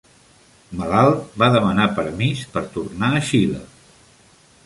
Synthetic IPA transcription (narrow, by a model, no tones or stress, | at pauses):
məlalˠbaðəmənapəɾmispəɾt̪urnaəʃilə̰